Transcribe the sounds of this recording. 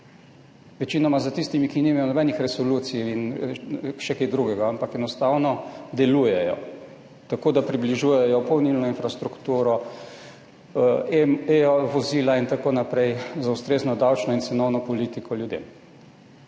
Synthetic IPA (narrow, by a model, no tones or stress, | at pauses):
ʋɛt͡ʃiːnɔmazat̪ist̪imikinimajɔnɔbɛnixɾɛsɔluːt̪sijin | ʃɛked̪ɾuɡɛɡaampakɛnɔst̪awnɔd̪ɛluːjɛjɔ̰ | t̪akoːd̪apɾibliʒuːjɛjɔpɔwnilnɔinfɾast̪ɾukt̪uːɾɔ | eʋɔziːlaint̪akonapɾɛjzaust̪ɾeːznɔd̪awt͡ʃnɔinsɛnɔwnɔpɔliːt̪ikʰɔljud̪ḛm